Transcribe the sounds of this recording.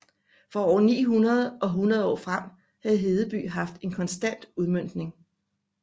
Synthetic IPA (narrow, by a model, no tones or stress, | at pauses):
fʁɒɒ̰ɐnḭːɦunɐð̞ˠʔɒ̽ɦunʁɐð̞ˠɒ̰ːfʁam̰ | hæð̞̩ˠɦe̝ð̞ˠəb̥y̰ːɦɑ̈fd̥e̝nkʰɒ̽nsd̥æn̰d̥uð̞ˠmøn̰d̥ne̝ŋ